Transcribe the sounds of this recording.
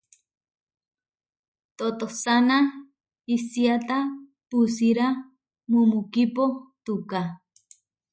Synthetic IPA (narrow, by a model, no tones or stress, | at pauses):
t̪ot̪osana | isiat̪a | pusiɾa | mumukipot̪uka